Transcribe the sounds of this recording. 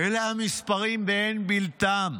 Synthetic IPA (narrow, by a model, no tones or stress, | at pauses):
elahamispaʁimbeenbilt̪am